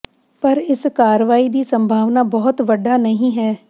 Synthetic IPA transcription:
pəɾɪskaːɾʋaːiːd̪iːsəmbʱaːʋnaːbɔːt̪ʋəɖaːnəɦĩːɦɛː

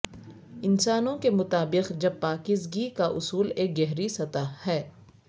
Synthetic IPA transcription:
ɪnsaːnõkemʊt̪aːbɪqd͡ʒɐb̚paːkɪzɡikaʔʊsuːleːk̚ɡɛɦɾisɐt̪ahɛː

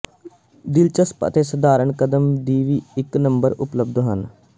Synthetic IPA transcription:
d̪ɪlt͡ʃəspə̰t̪eːsəd̪aːɾəɳkəd̪əmd̪iːʋiːɪknəmbəɾʊpləb̚d̪ɦən

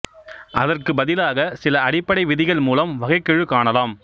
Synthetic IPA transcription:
ʔɐðɐrkɯbɐðɪlaːɣɐsɪlɐɐɽɪpːɐɽɐɪʋɪðɪɣɐɭmuːlɐmʋɐɣɐɪkːɪɻɯkaːɳɐlaːm

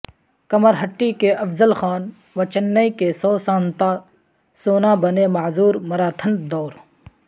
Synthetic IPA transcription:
kɐməɾɦɐʈːiːkeʔɐfzəlxaːn | ʋɐt͡ʃɐnːɐikesoːsãːnt̪aː | soːnaːbɐneːmɐzuːɾmɐɾaːt̪ʰənd̪ɔːɾ

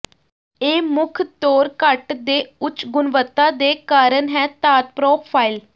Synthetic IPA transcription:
eːmʊkʰt̪oːɾkəʈd̪eːʊt͡ʃɡʊnʋət̪ːaːd̪eːkaːɾənɦɛːt̪aːt̪̚pɾoːpʰaːil

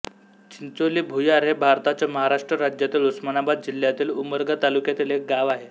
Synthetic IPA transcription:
t͡ɕint͡soliːbʱujaɾɦebʱaɾt̪at͡ɕjaməɦaɾaʂʈɾəɾad͡ʑjat̪iːlusmanabad̪̚d͡ʑil̤ːjat̪iːluməɾɡat̪alukjat̪ilɦek̚ɡaʋaɦe

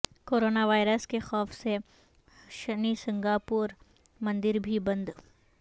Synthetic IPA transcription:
koːɾoːnaʋaːɪɾəskexɔːfse | ʃɐnisɪ̃ŋɡaːpuːɾ | mɐ̃nd̪ɪɾbʱibɐ̃nd̪

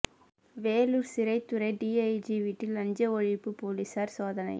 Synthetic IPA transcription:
ʋeːluɾsɪɾɐɪt̪ːʊɾɐɪɖiːɐɪd͡ʒiʋiːʈːɪlɐɲd͡ʒɐɔɻɪpːɯpoːlisaːɾsoːðɐnɐ̰ɪ

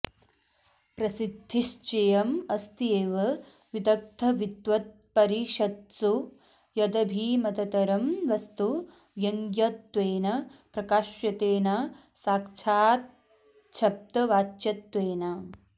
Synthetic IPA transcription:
pɾɐsid̪ʱːiʃt͡ʃejɐmɐst̪ieːʋɐ | ʋid̪ɐk̚t̪ʰɐʋit̪ʋɐt̪̚pɐɾiʃɐt̪su | jɐd̪ɐbʱiːmɐt̪ɐt̪ɐɾɐmʋɐst̪u | ʋjɐŋɡjɐt̪ʋeːnɐpɾɐkaːʃjɐt̪eːnɐ | saːkt͡ʃʰaːt̪̚ | t͡ʃʰɐp̚t̪ɐʋaːt͡ʃɐt̪ʋeːnɐ

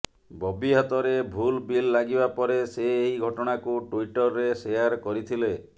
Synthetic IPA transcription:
bɔbiɦat̪ɔɾebʱulbilːaɡibapɔɾeseːɦiɡʱɔʈɔɽ̃akuʈuiʈɔɾːesejaɾkɔɾit̪ʰile

